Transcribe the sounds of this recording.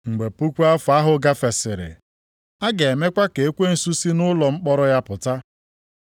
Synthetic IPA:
ŋ͡m̩˨ɡ͡be˨pu˦kʷu˦a˦fa˦ɦʊ˨ɡa˦fe˨sɪ˨ɾɪ̰˨ | a˦ɡe˨e˨me˦kʷa˦ke˨e˦kʷe˦n̩˨su˦si˦nʊ˦lɔ˨ŋ͡m̩˦k͡pɔ˦ɾɔ˦ja˦pʊ˨ta˦

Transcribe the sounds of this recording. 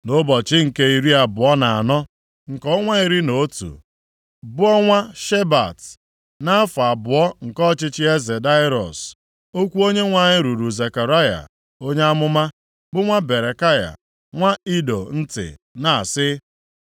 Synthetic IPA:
no˦bɔ˨t͡ʃɪ˦ŋ̩˨ke˦i˨ɾi˦a˨bʊ˨ɔ˦na˨a̰˨nɔ˦ | ŋ̩˨kɔ˦ŋʷa˦i˨ɾi˦no˨˦tṵ˨ | bʊ˦ɔ˦ŋʷa˦ʃe˦ba̰˨t | na˦a˦fa˨bʊ˨ɔ˦ŋ̩˨kɔ˦t͡ʃɪ˦t͡ʃɪ˦e˦ze˨da˦ɪ˦ɾɔ̰˨s | o˦kʷu˦o˦ɲe˦ŋʷa˨ɲɪ˦ɾu˨ɾu˨ze˨ka˨ɾa˦ja̰˨ | o˦ɲe˦a˦mʊ˦ma˦ | bʊ˦ŋʷa˦be˨ɾe˨ka˦ja̰˨ | ŋʷa˦i˦do˨n̩˦tɪ̰˨na˨a˨sɪ˦

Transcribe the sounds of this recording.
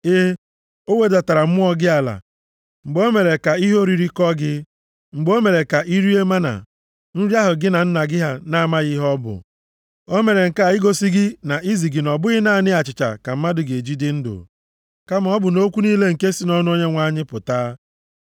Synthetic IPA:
ɪ˦ | o˦we˦da˨ta˨ɾa˨m̩˦mʊ˦ɔ˦ɡɪ˦a˨la̰˨ | ŋ͡m̩˨ɡ͡bo˦me˨ɾe˨ka˨i˦ɦo˦ɾi˨ɾi˦kɔ˦ɡɪ˦ | ŋ͡m̩˨ɡ͡bo˦me˨ɾe˨ka˨ʔi˦ɾi˦e˦ma˦na̰˨ | n̩˦ɾja˦ɦʊ˨ɡɪ˦na˨n̩˦na˨ɡɪ˦ɦa˦na˦˨ma˦ɣɪ˦ɦɔ˦bʊ̰˨ | o˦me˨ɾe˨ŋ̩˨ka˦a˨ɪ˦ɡo˨si˦ɡɪ˦na˨ʔi˦zi˨ɡɪ˨nɔ˨bʊ˦ɣɪ˦na˦˨nɪ˦a˨t͡ʃɪ˨t͡ʃa̰˨ka˨m̩˦ma˦dʊ˨ɡe˨e˨d͡ʒi˦dɪ˦n̩˦dʊ̰˨ | ka˦ma˨ɔ˦bʊ˨no˦kʷu˦niː˦le˦ŋ̩˨ke˦si˦nɔ˦nʊ˦o˦ɲe˦ŋʷa˦ɲɪ˦pʊ˨taː˦

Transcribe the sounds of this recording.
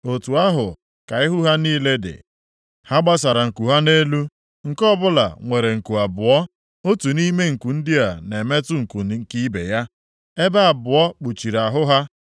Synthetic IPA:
o˨tu˨a˦ɦʊ˨ | ka˨ɪ˦ɦu˦ɦa˦niː˦le˦dɪ̰˨ | ha˦ɡ͡ba˦sa˨ɾa˨ŋ̩˨ku˨ɦa˦ne˦lu˦ | ŋ̩˨kɔ˦bʊ˦la̰˨ŋʷe˨ɾe˨ŋ̩˨ku˨a˨bʊ˨ɔ˦ | o˦tu˨ni˦me˦ŋ̩˨ku˨n̩˦dɪ˦a˨ne˨me˦tʊ˦ŋ̩˨ku˨˦ŋ̩˨ki˦bḛ˨ja˦ | e˦ba˦a˨bʊ˨ɔ˦k͡pu˨t͡ʃi˨ɾa˨ɦʊ˦ɦa˦

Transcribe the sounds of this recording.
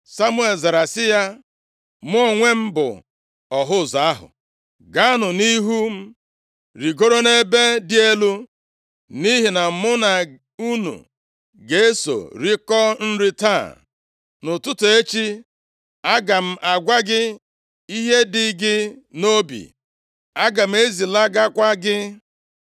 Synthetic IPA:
sa˦mu˦e˨lza˨ɾa˨sɪ˦ja˦ | m˦ɔ˨ŋʷe˦m̩˦bʊ̰˨ | ɔ˨ɦʊ˦˨za˨a˦ɦʊ̰˨ | ɡa˦a˦nʊ˨ni˦ɦu˦m̩˦ | ɾi˨ɡo˦ɾo˦ne˦be˦dɪ˦e˦lu˦ | ni˦ɦi˨na˨m̩˨˦mʊ˦na˨ | u˦nṵ˨ | ɡe˦e˦so̰˨ɾi˦kɔ˦n̩˦ɾi˦ta˦˨ | nʊ˨tʊ˦tʊ˨e˦t͡ʃi˦ | a˦ɡa˨m̩˦ʔa˨ɡʷa˦ɡɪ˦ | i˦ɦe˦dɪ˦ɡɪ˦no˦bḭ˨ | a˦ɡa˨m̩˦e˦zi˨la˦ɡa˦kʷa˦ɡɪ˦

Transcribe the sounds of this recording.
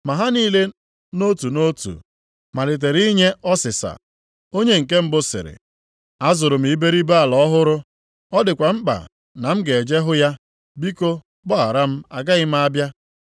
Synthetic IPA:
ma˨ɦa˦niː˦le˦ | no˦tu˨no˦tṵ˨ | ma˨le˨t̬e˨ɾi˦ɲe˦ɔ˦sɪ˨sa̰˨ | o˦ɲe˦ŋ̩˨ke˦m̩˦bʊ˦sɪ̰˨ɾɪ̰˨ | a˦zʊ˨ɾʊ˨m̩˨i˨be˦ɾi˦ba˦a˨lɔ˦ɔ˦ɦʊ˦ɾʊ˦ | ɔ˦dɪ˨kʷa˨m̩˦k͡pa̰˨ | na˨m̩˦ɡe˨e˨d͡ʒe˦ɦʊ˦ja˦ | bi˦ko˦ | ɡ͡bɔ˦a˨ɾa˦m̩˦a˨ɡa˦ɣɪ˦m̩˦a˦bja˦

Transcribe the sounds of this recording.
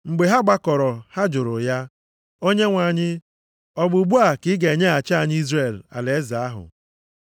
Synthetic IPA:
ŋ͡m̩˨ɡ͡be˨ɦa˦ɡ͡ba˦kɔ˨ɾɔ˨ha˦d͡ʒʊ˨ɾʊ̰˨ja˦ | o˦ɲe˦ŋʷa˨ɲɪ˦ | ɔ˦ɡ͡bʊ˨ɡ͡bu˦a˨kɪ˦ɡe˨ɲe˦a˨t͡ʃa˦˨ɲɪ˦i˦zɾe˦˨la̰˨le˨e˦za˨a˦ɦʊ̰˨

